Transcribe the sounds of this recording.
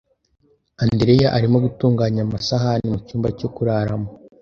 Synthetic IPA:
andiɾejaʔaɾimoɡutuːŋɡaːɲamasahanimucuːmbaco̞kuɾaːɾamo

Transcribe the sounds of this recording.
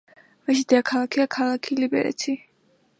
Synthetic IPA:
maʃ̬id̪ɛakʰalˠakʰiakʰalˠakʰilibɛ̰ɾɛ̰t̪sʰi

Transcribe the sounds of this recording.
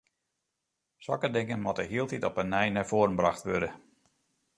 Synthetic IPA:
swa̰kədɪŋənmɔtəɦiəlˠtitɔpənːɛjnɛfoːɾənbraxtʋørdə

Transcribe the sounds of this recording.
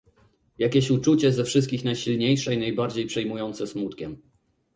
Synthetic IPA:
jakʲɛɕut͡ʂut͡ɕɛzɛfʂɘst̪kʲixnajɕilɲejʂɛjnajbaɾd͡ʑejpʂɛjmujɔnt̪sɛsmut̪kʲɛm

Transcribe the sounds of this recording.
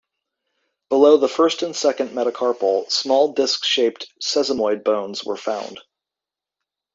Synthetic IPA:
b̥əloʊðəfɜ˞stɨ̃nsɛkɨ̃nmɛɾəkʰɑɹpl̩ˠsmɔlˠdɪskʃeɪp̚tsɛzəmɔɪd̚bõʊ̃nzwə̰˞fãʊ̃nd̥

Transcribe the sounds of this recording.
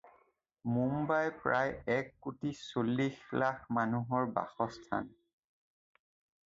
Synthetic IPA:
mumbajpɹajɛkːutisolːixlaxmanuɦɔɹba̰xɔstʰa̰n

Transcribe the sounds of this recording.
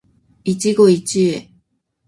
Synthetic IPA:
it͡ɕiɡoit͡ɕie

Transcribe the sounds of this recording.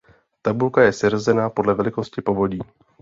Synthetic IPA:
t̪abulkajɛsɛrzɛnaːpo̞dlɛvɛlɪko̞scɪpo̞vo̞ɟiː

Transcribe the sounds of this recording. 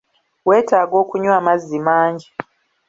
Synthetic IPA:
we̞ːtaːɡo̞ːkuɲwaːmazːimaːɲɟi

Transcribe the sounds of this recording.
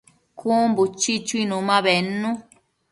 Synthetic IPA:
kʰũmbut͡ʃit͡ʃuinũmãβenũ

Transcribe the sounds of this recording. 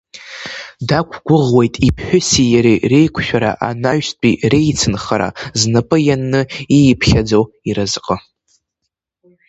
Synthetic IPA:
dakʷʰɡʷʊʁwo̞jtʼipʰħʷᶣʊsijaɾirejkʷʰʃᶣaɾa̰ʔanaɥspʼirejt͡sʰɨnχaɾa̰znapʼɨjanːɨipʰχʲad͡zow | iɾɨzqʼə

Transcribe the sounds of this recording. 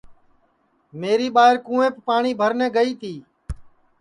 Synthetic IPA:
meːɾiːɓaːɦɪɾkũːẽːppaːɳiːbʱəɾnɛ̃ːɡəiːt̪ʰiː

